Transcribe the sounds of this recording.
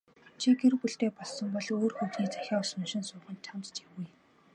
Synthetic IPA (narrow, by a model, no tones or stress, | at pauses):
t͡ɕʰiɡeɾɘ̆wpɵɬt̪eːpɔɮsɞ̆mpɔɮoːrxɵwt̪niːt͡sæxʲaːɔsʊ̆nʃɪ̆nsʊːχə̆nt̪ʰːamt̪t͡ɕiwuj